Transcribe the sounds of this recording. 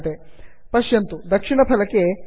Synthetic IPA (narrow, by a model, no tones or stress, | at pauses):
d̪e | pɐʃjɐnt̪ud̪ɐkʂinɐpʰɐlɐkːe